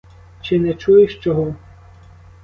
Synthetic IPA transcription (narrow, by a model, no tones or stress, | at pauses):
t͡ʃɪnɛt͡ʃujɪʃt͡ʃɔɦɔ